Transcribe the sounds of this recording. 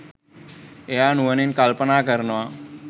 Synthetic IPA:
eanuʋəninkalpənakəɾnʋa

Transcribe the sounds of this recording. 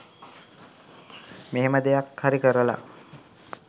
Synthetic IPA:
meɦeməd̪ejakhaɾikəɾəla̰

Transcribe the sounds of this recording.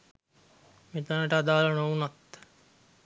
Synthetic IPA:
met̪anəʈəad̪aːlənounat̪

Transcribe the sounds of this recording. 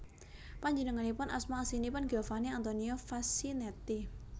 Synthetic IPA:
paɲd͡ʒənəŋanipʊnʔa̰smasinipʊnɡɛfaniant̪oniofasinɛt̪i

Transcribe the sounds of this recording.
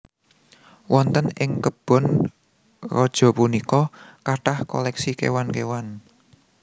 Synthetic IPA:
wʔɔnt̪ənɪŋkəb̥ɔ̤n | rɔd̥ʒ̥ɔ̤punikɔkaʈahkɔ̰lɛksikḛwankewan

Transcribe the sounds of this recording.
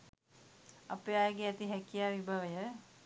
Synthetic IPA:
ɐ̰peːaːjəɡeɛt̪iɦɛkijaːʋibʱaʋəjə

